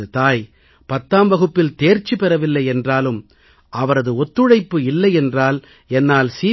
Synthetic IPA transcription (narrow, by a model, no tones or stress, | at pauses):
ɯt̪aːj | pɐt̪ːaːmʋɐɣɯpːɪlt̪eːɾt͡ʃːɯpɛɾɐʋɪlːɐɪɛndraːlɯm | ʔɐʋɐɾɐðɯɔt̪ːɯɻɐɪpːɯɪlːɐɪɛndraːl | ɛnːaːlsiː